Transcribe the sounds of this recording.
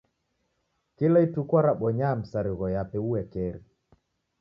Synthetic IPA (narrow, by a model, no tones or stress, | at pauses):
kilaitukwaɾaɓɔɲaːm̩saɾiɣɔjapɛuwɛkɛɾi